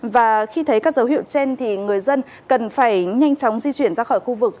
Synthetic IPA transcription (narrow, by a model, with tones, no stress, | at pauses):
vaː˨˩xi˧t̪ʰə˨˦jkaː˦˥k̚zə˨˦whḭ˧˨ə˨wt͡ɕɛ˧nt̪ʰi˨˩ŋɨ˨˩əjzə˧n | kə˨˩nfaː˧˩jɲa˧jŋ̟t͡ɕɔ˨˦wŋ͡mzi˧t͡ɕwi˧˩ənzaː˧xɔ˧˩jxu˧vɨ˨˩k̚